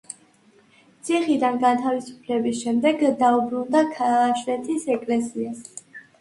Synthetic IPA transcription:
t̪sʰiχid̪anɡat̪ʰavisu̥pʰlɛbisʃɛmd̪ɛɡd̪aubɾund̪akʰaːʃlɛt̪ʰisɛkʼlɛsias

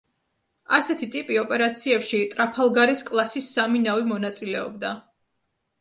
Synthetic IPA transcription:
asɛt̪ʰit̪ʼipʼiɔpʼɛɾat̪sʰiɛpʃit̪ʼɾapʰalˠɡaɾiskʼlˠasisːaminavimɔnat̪sʼilɛɔ̰b̚d̪a

